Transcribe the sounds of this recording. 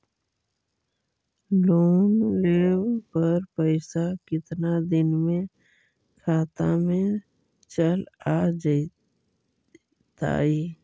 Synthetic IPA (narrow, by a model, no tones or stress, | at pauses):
loːnleːʋpəɾpəɪsakɪt̪nad̪ɪnmẽ | kʰaːt̪a̰mẽ | t͡ʃəlaːd͡ʒ | t̪a̰ːiː